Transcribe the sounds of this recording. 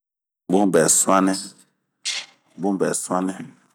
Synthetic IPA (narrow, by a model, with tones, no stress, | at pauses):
bo˦m˨bɛ˨sa˦nɛ˦˨ | bo˦˨bɛ˨sa˦nɛ˦